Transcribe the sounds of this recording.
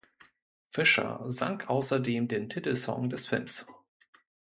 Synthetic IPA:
fɪʃɐ̰za̰ŋkʔaʊsɐdeːmdeːntʰɪtl̩sɔ̰ŋdɛsfɪlms

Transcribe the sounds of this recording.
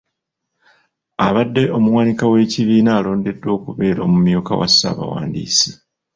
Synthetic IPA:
aβadːe̞o̞muwanikawe̞ːciβiːnaːlo̞ːnde̞dːo̞ːkuβe̞ːɾo̞ːmumjuːka̰wa̰sːa̰ːβa̰wa̰ːndḭːsi̥

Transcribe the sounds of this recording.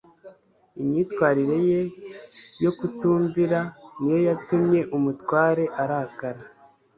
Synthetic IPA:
imɲiːtkwaːɾiɾe̞je̞ | jo̞kutuːɱviɾanijo̞jatumɲe̞ʔumutwaːɾe̞ʔaɾakaɾa

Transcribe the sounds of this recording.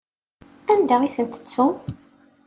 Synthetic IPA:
ænd̪aiθənt̪ə̥t͡sːu

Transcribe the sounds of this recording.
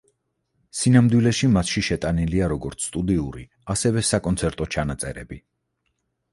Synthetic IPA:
sinamd̪wilɛʃimat̪ʃiʃɛt̪ʼaniliaɾɔɡɔɾt̪sʰt̪ʼud̪iuɾi | asɛvɛsakʼɔnt̪sʰɛɾt̪ʼɔt͡ʃʰanat̪sʼɛɾɛbi

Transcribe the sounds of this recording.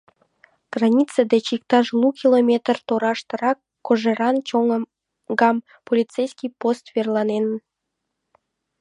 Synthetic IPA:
ɡ̥rɑnʲit͡sed̪et͡ɕikt̪ɑʃlˠukʲilomʲet̪ərt̪oɾɑʃt̪əɾɑkːoʒeɾɑnt͡ɕoŋə | ɡɑm | polʲit͡sejskʲijpost̪verlˠɑnenən

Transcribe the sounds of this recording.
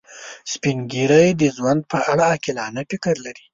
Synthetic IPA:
spiŋɡiɾəjd̪əzwand̪̚pəʔaɽaːkilɑnafɪkəɾlaɾi

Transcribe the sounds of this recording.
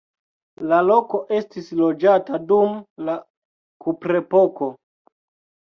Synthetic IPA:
lalo̞ko̞ʔe̞stislo̞d͡ʒatadumla | kupɾe̞po̞ko̞

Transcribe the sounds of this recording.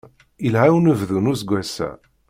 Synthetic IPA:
ilhawnəvðunusɡʷæsæ̰

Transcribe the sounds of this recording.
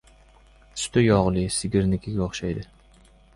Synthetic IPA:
st̪ʰɪjɑʁlˠɨsɪɡʲɪɾnɪkʲʰɪɡʲɛoχʃɑjd̪ɪ

